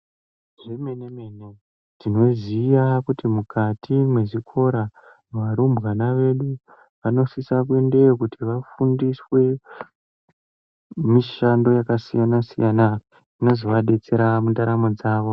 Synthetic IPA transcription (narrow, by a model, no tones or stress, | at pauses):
ʐemeneme̞ːne | tino̞zijakutimukʰatʰimwe̞ʐikʰo̞ɾa | ʋaɾumbɣanaʋe̞ɗu | ʋano̞sisak̬we̞nde̞kutʰiʋafundiswe̞ | miʃando̞jakasijanasijana | ino̞zoʋaɗe̞t͡se̞ɾamundaɾamod͡zaːʋo̞